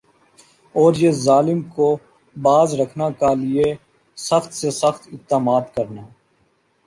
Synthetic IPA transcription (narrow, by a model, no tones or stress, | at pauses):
ɔːɾjezaːlɪmko | baːzɾəkʰnakalɪe | səxt̪sesəxt̪ɪt̪ːaːmaːd̪kəɾnaː